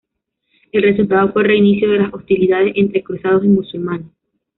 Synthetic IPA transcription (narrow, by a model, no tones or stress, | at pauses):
e̞lre̞sult̪aðofwe̞re̞inisjo̞ðe̞laso̞st̪iliðað̞e̞se̞nt̪ɾekɾusað̞os̬imusulmane